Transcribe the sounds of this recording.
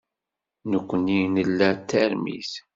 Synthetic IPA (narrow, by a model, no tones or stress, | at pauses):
nəkʷːəninəlːæt̪ːæɾmḭθ